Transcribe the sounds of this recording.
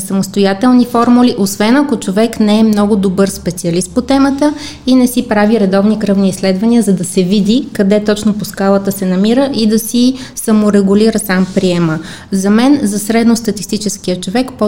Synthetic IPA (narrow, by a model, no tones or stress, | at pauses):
sɐmost̪ojat̪ɛlˠnifɔɾmuliʔosvɛnɐkot͡ʃovɛknɛɛmnɔɡʊd̪obɤɾspɛt̪siɐlist̪̚pot̪ɛmət̪ə | inɛsipɾaviɾɛd̪ɔvnikɾɤvniːslɛd̪vɐniəzɐd̪ɐsɛvid̪ikɐd̪ɛt̪ɔt͡ʃnoposkalˠət̪əsɛnɐmiɾəʔid̪ɐsisɐmoɾɛɡʊliɾəsampɾiɛmə | zɐmɛnzɐsɾɛd̪nost̪ɐt̪ist̪it͡ʃɛsk̟iət͡ʃovɛkpo